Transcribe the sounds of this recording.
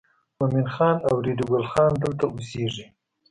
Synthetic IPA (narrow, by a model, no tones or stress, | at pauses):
mʊminxɑnawɾid̪uɡalxɑnd̪əlt̪auseʐi